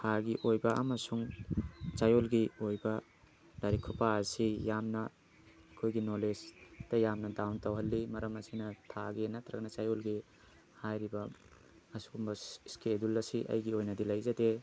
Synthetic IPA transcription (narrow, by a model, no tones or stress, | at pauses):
haɡiʔojbɐɐmɐsuŋ | t͡ʃajolɡiojbɐ | daɾikʰupaɐsijamnɐ | ɐkʰojɡinolesd̥ɐjamnɐdawntɐwɦɐlːimɐɾɐmɐsinɐtʰaɡenat̪ɾɐɡɐnɐt͡ʃajolɡi | hajɾibɐ | ɐsuɡumbɐskedulːɐsiʔɐ̰jɡiojnɐdilɐjzɐde